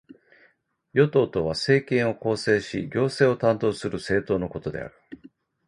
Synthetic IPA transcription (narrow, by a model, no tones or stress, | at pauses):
jo̞t̪o̞ːt̪o̞β̞ase̞ːkẽ̞ɰ̃o̞ko̞ːse̞ːɕiɡʲo̞ːse̞ːo̞t̪ãnt̪o̞ːsɨɾɯ̟se̞ːt̪o̞ːno̞ko̞t̪o̞d̪e̞̰a̰ɾɯ̟